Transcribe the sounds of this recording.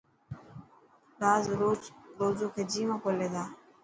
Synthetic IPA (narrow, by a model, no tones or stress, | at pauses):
ɾaːzɾoːɾoːzoːkʰeːd͡ʒiːmãːkoːleːd̪aː